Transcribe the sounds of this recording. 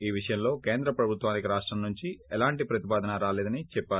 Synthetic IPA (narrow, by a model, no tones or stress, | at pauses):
iːʋiʂɐjɐmlo̞ːke̞ːnd̪ɾɐpɾɐbʱut̪ʋaːnikiɾaːʂʈɾɐmnuɲt͡ʃiɛlaːɳʈipɾɐt̪ipaːd̪ɐnɐɾaːleːd̪ɐnit͡ʃɛpːaːu